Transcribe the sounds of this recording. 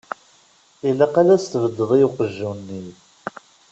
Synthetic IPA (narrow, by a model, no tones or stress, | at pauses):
ilːæqalæst̪əvəd̪ːəðˤijuqəʒːuwnːi